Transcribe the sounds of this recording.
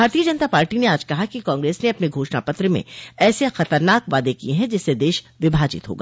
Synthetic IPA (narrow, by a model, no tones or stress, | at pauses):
bʱaːɾt̪iːəd͡ʒɐnət̪apaːɾʈineaːd͡ʒkɐɦakikãːŋɡɾeːsneɐpneɡʱoːʃna̰pɐt̪ɾəmḛ̃ɛːsexɐt̪əɾnaːkʋaːd̪ekieɦɛ̃d͡ʒɪsːed̪eːʃ | ʋɪbʱaːd͡ʒɪ̰t̪ɦo̰ːɡa̰ː